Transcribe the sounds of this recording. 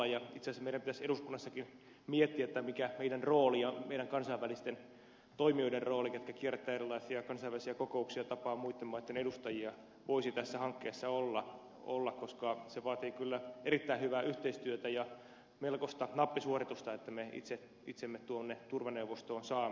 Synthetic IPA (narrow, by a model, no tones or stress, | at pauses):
ɑjjɑit̪sesmeiɾæmpit̪æseɾuskunːɑsːɑkin | miet̪ːiæet̪ːæmikæmeidænroːliɑmeiɾæŋkɑnsɑiʋælist̪en | t̪oimioiderroːliket̪̚kækiert̪ːæːerilːˑɑisiɑkɑnsɑiʋælisiɑkokouksiɑt̪ɑpɑːmuit̪ːemɑːnet̪ːenedust̪ɑjiɑ | ʋoisit̪æsːæhɑŋkːeːsːɑolːɑ | o̰lːɑkkoskɑseʋɑːt̪iːkylːæeɾit̪ːæihyʋæːʔyht̪eist̪yøt̪æjɑ | melkost̪ɑnɑpːisuorit̪ust̪ɑet̪ːæmeḭt̪se | it̪semːett̪uonːet̪urʋɑneuʋost̪oːnsɑː